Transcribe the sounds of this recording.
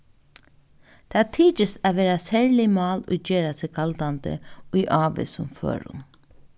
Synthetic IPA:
t̪ʰaːt̪ʰiːt͡ʃəsaʋeːɾasæːɹlɪmɑːlʊ̰d͡ʒeːɾasɛkʰald̪and̪ə̰ʊjʔɑːʋḛsʊmfø̰ːɾʊ̰ŋ

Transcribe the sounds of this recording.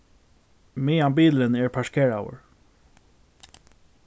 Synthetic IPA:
miːambiːlənɛɹpʰaʂkʰɛːɹa̰wə̰ɹ

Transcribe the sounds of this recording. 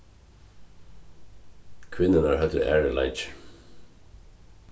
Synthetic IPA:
kʰʋɪnənɑːɹhɛt̪ʰə̰ʔæːɹəlʔɑ̰ɪd͡ʒ

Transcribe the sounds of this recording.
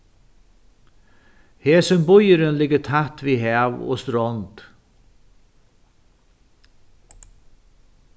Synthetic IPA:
heːsʏmbʊjəɾənlɪkːət̪ʰat̪viɦæːʋo̰ːst̪ɾɔnt̪

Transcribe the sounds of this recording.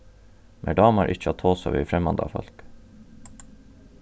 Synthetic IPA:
mʔeːɖɑːmɑɾʔɪc͡çəɑt̪ʰoːsɑ̰ʋḭfɾɛmɑnd̪ɑ̰fœ̰lk

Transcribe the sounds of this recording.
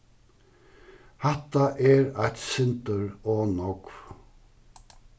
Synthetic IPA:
hɛt̪aʔɛɾæɪt̪sɪnt̪əɾoːnɔkv

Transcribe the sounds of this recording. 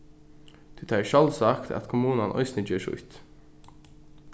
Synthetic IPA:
d̪̥ʉt̪ʰɑːʃɑlsɑkt̪ʰɑ̰t̪kʰʊmuːnɑnʔɔ̰ʏsnɪd͡ʒøːʃʊ̰ʏt̪

